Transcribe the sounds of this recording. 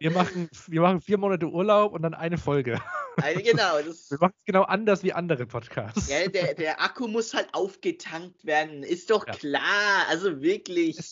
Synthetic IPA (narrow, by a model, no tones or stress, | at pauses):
viːɐmaχn̩viːɐmaχn̩fiːɐmoːnatəʔuːɐlaʊpʊntd̥anʔaɪnəfɔlɡəaɪɡənaʊdasviːɐmaχn̩ɛsɡ̥ənaʊʔandɐsv̥iːʔandəʁəpʰɔtkʰa̰ːsjaːdeːɐdeːɐʔakʰumʊshaltʔaʊfɡ̥ətʰaŋk̚tv̥eːɐdn̩ɪstd̥ɔχkʰlaːɐʔalzovɪɐklɪç